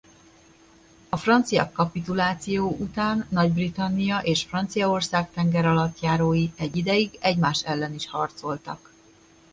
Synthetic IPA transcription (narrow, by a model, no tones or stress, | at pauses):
ɒfrɒnt̪sijɒ̰kːɒpit̪ulaːt̪sijoːʔut̪aːnːɒɟbrit̪ɒnːijɒʔeːʃfrɒnt̪sijɒo̞rsaːkt̪ɛŋɡɛɾɒlɒt̪jaːɾoːjiɛɟːid̪ɛjiɡɛɟmaːʃɛlːɛniʃhɒrt̪so̞lt̪ɒ̰k